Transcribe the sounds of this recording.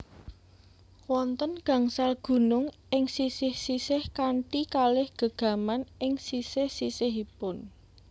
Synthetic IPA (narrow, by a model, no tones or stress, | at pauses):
wɔnt̪ənɡ̥ä̤ŋsalɡ̥ṳnʊŋ | ɪŋsisihsisɪhkaɳʈikalɪhɡ̥ə̤ɡ̥a̤manɪŋsisɪhsisɪhipʊn